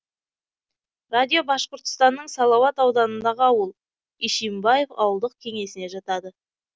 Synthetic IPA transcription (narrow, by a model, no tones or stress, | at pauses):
rad̪ʲijo̞bɑʃqəɾt̪ə̥st̪ɑnːəɴsɑlˠɑwɑt̪ɑwd̪ɑnənd̪ɑʁəɑwəlˠ | iʃijmbɑje̞fɑ̰wəlˠd̪əq̚kʲʰe̞ŋe̞sɪneʒɑt̪ɑd̪ə